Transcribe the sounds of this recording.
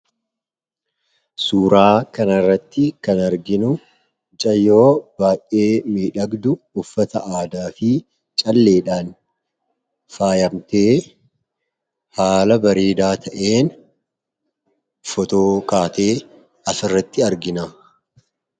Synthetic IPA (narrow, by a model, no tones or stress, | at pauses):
suːɾaːkɐnɐrːɐt̪ːɪkɐnɐɾɡɪnʊ | d͡ʒʼɐjːoːb̥aːjʔe̞ːmiːᶑɐɡd̪ʊːfːɐt̪ɐʔaːd̪aːfɪ | t͡ʃʼɐlːe̞ːᶑaːn | faːjɐmt̪eː | haːlɐbɐɾeːd̪aːt̪ʰɐʔeːn | fɔt̪oːkaːt̪e̞ː | ɐsɪrːɐt̪ːɪɐɾɡɪnaː